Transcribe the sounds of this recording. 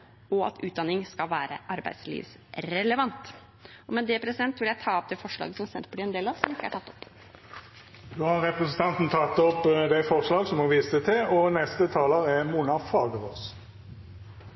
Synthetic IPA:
ɔɑ̰t̪ʉːt̪d̪ɑnɪŋskɑlʋæːɾə̰ʔɑɾbæ̰ɪd̪slḭːʋs | ɾɛləʋɑnt̪ | ɔmɛd̪ɛpʰɾɛsɪd̪ɛnt̪ʋɪljæɪt̪ʰɑːɔp̚d̪ɛfɔʂɭɑ̰ːɡəsɔmsɛnt̪pʰɔɖɪɛnd̪eːlɑʋsɔmɪkːəæ̰ʈʰɑt̪ːɔp | d̪oːhɑʁɛpʁɛsn̩t̪ʰɑnt̪n̩t̪ʰɑt̪ːɔpd̪æɪfɔʁʂlɑːɡsɔmhɔʋiːsət̪ʰɪɔnɛst̪ət̪ʰɑːləʁɛmuːnɑfɑːɡəʁos

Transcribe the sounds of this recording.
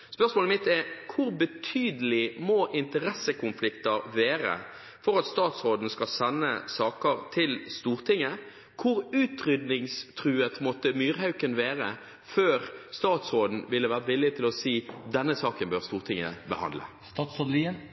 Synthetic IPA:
spœʁsmoːləmɪt̪ɛɾkʰʊɾbət̪ʰyːd̪əlɪmoʔɪnt̪əɾɛsəkʊnflɪkt̪əɾʋeːɾə̰ | fɔɾɑt̪st̪ɑːt̪sʁoːd̪n̩skɑlsɛnːə̰sɑːkəɾt̪ʰɪlst̪uːʁt̪ʰɪŋːə | kʰʊɾʉːt̪ɾʏd̪nɪŋst̪ʰʁʉːət̪mɔt̪ːəmyːʁɦɑʉkənʋeːʁə | føːʁst̪ɑːt̪sɾoːd̪n̩ʋɪlːəʋæːʁəʋɪlːɪt̪ʰɪlɔsiːd̪ɛnːəsɑːkənbøːʁst̪uːʁt̪ʰɪŋːə̰bəhɑ̰nd̪lə̰ | st̪ɑːt̪sod̪liən

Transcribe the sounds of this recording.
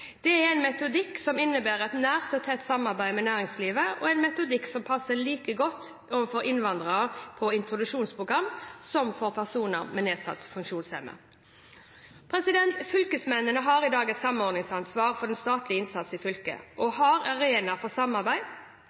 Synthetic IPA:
d̪̥ɛæɾæɪnmɛt̪ʊd̪ɪkːsɔmɪnːəbæːɾɛt̪næːʁt̪ɔt̪ʰɛt̪ːsɑmɑʁbæɪmɛnæːʁɪŋsliːʋəɔɛɪnmɛt̪ʊd̪ɪksɔmpʰɑsːəliːkəɡɔt̪ː | oːʋənfɔɾɪnʋɑnd̪ʁəʁəpʰɔɪnt̪ɾʊd̪ʉʂuːnspʰʁʊɡʁɑmsɔmfɔʁpʰæʁsuːnə̰ʁmɛneːsɑ̰t̪fʉŋkʂuːnshɛ̰mə̰ | pʰɾɛsɪd̪ɛnt̪fʏlkəsmɛnːənəɦɑːɾɪd̪ɑːɡɛt̪sɑmənɔɾd̪nɪŋsɑnsʋɑːʁfɔʁɛnst̪ɑːt̪lɪɪnsɑt̪sɪfʏlkə̰ʔɔɦɑɾɑɾeːnɑfɔsɑmɑʁbæɪ

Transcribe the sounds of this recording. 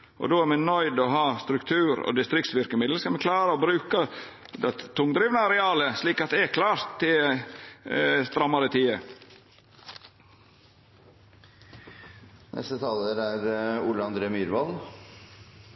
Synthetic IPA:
ʔɔ̰d̪oːæɾmɛnœʏd̪ɔɦɑːst̪ɾʉkt̪ʰʉːɾo̰d̪ɪst̪ɾɪkt̪sʋʏɾkəmɪd̪l̩skɑlmɛkʰlɑːɾəoːbɾʉːkə | d̪ɛt̪ʰːʊŋd̪ɾiːʋnəɑɾɛɑːləsliːkɑt̪̚d̪ɛækʰlɑːɾt̪ʰːɪ | st̪ɾɑmːɑɾət̪ʰiːə | nʔɛ̰st̪ət̪ʰɑːləɾæɾṵːləɑnd̪ɾeːmyːɾʋɑl

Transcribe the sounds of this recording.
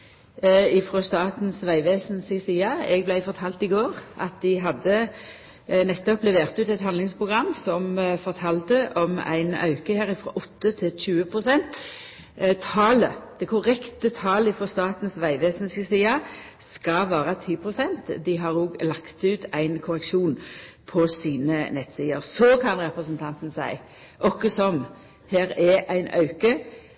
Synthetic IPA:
ɪfɾost̪ɑːt̪n̩sʋæɪʋeːsnsɪsiːɑɛɡ̚blæɪfɔʁt̪ʰɑːlt̪ɪɡoːʁɑ̰t̪̚d̪ɪɦɑd̪ːə | nɛt̪ːɔplɛʋeːʁt̪ʉːt̪ɛt̪hɑnlɪŋspʰʁʊɡʁɑmːsɔmfɔʁt̪ʰɑːlt̪əʔɔmæ̰ɪnɑ̰ʉkəhæːʁɪfʁɔ̰ːʔɔt̪ːət̪ʰɪlɕʉːəpʰʁʊsɛnt̪ | t̪ʰɑːləd̪̥ɛkʰʊɾɛkt̪ət̪ʰɑːləɪfɾɔst̪ɑːt̪n̩sʋæɪʋeːsn̩skəsiːɑ | skɑʋɑːɾət̪ʰiːpʰɾʊsɛnt̪d̪ɪɦɑːɾoːɡlɑkt̪ʉːt̪ʰæɪnkʰʊɾɛkʂuːn | pʰɔsiːnənɛt̪siːəɾsɔkʰɑnɾʁɛpɾəsənt̪ʰɑnt̪n̩sæɪ | ʔɔkːəsɔm | hæːɾɛʔæɪnʔɑ̰ʉkə

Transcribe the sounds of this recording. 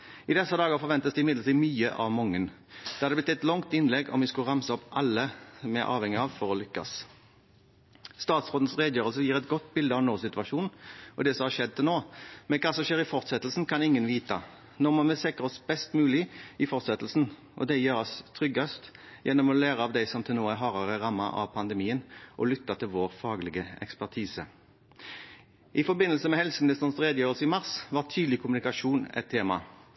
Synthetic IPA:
ɪd̪ɛsːɑd̪ɑːɡəɾfɔɾʋɛnt̪əsd̪ɛɪmɪd̪ləɾt̪iːmyːə̰ʔɑ̰ʋmɔŋːən | d̪ɛhɑd̪ɛb̪ɪt̪ːɛt̪lɔŋt̪ɪnlɛɡɔ̰mʋɪskʉɾɑmsəɔpːʔɑlːəsmæ̰ɾʔɑ̰ːʋhɛŋːɪɑʋfɔɾɔlʏkːɑ̰s | st̪ɑːt̪sʁoːd̪n̩sʁeːd̪jøːʁəlsəjiːɾɛt̪̚ɡɔt̪ːbɪld̪əɑʋnoːsɪt̪ʉɑʃuːnʔɔd̪ɛsɔmhɑɾʃɛd̪̚ːt̪noːmɛnkʰɑːsɔmʃeːɾɪfɔɾt̪sɛt̪lsn̩kʰɑnɪŋːənʋiːt̪ɑ̰ | nɔʁmɔnmɛsɛkəʁɔsbɛst̪mʉːlɪʔɪfɔʁt̪sɛt̪l̩sn̩ | ʔɔ̰d̪ɛjøːɾɔst̪ʰɾʏɡːɑst̪jɛnːɔmɔlæːɾəɑʋd̪æɪsɔmt̪ʰɪlnoːæɾɦɑːʁɑʁəʁɑmːɑ̰ʔɑ̰ʋpʰɑnd̪əmiːənʔɔlʏt̪ːɑt̪ʰɪlʋoːʁfɑːɡlɪɡəɛ̰kspæʁt̪ʰiːsə | ʔɪfɔbɪnːəlsəmɛhɛlsəmɪnɪst̪əʁnəsʁeːd̪əjøːʁəlsəɪmɑʁsʋɑt̪ʰyːd̪lɪkʰʊmʉnɪkɑʂuːnɛ̰t̪ʰːeːmɑ̰

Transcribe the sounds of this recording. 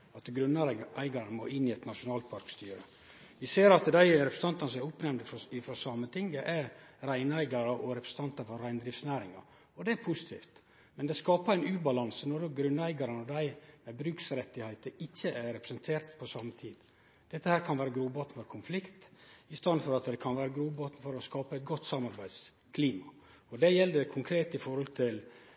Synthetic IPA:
ɑt̪ɡɾʉnːæɪɡɑɾənəmoːʔɪnːɪɛt̪nɑʃʊnɑːlt̪̚pʰɑɾkst̪yːɾə̰ | ʋɪseːɾɑt̪d̪æɪɾɛpɾsn̩t̪ɑnt̪ɑnəsɔmɛɾʊpnɛmnd̪əɪfɾɑsɑmət̪ʰɪŋɡəʔæɾɾæɪnæɪɡɑɾəʔɔɾɛpʰɾəsən̩t̪ʰɑnt̪ɑfɔɾɾæɪnd̪ɾɪft̪snæːɾɪŋɑ̰ | ɔd̪ɛæpʰusɪ̥t̪ʰḭːft̪ | mɛnd̪ɛskɑːpəɾæɪnʉːbɑlɑnsənɔdɔɡɾʉnːæɪɡɑɾənɔd̪æɪmɛbɾʉksɾɛt̪ːɪhæɪt̪əɪçːəæɾɾɛpɾəsənt̪ʰeːɾt̪pʰɔsɑːmːət̪ʰiːd̪ | d̪̥ɛt̪ːəhæːɾkʰɑnʋæːɾəɡɾuːbɑːt̪ənfɔɾkʰʊnflɪkt̪ɪst̪ɑnfɔɾɑt̪d̪ɛkʰɑnʋæːɾəɡɾuːbɑːt̪n̩fɔɾɔskɑːpəɛɪt̪̚ɡɔt̪ːsɑmɑɾbæɪd̪s | kʰliːmɑ | ɔd̪ɛjɛld̪ɛkʰʊŋkʰɾeːt̪ɪfɔɾhɔlt̪ʰɪl

